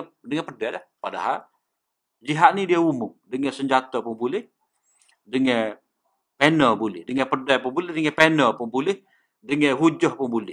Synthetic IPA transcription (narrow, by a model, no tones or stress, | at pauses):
dəŋɛ̃pədɛlahpada̰ɦal | d͡ʒiɦaʔ̪̚nidiaumʊŋdəŋɛsəɲd͡ʒat̪ɔpʊŋbulɪh | dəŋɛ̃ | penəbulɪ̰hdəŋɛ̃pərdɛpʊŋbulɪdəŋɛ̃penəpʊŋbulɪh | dəŋɛ̃ɦud͡ʒɔhpʊŋbulɪh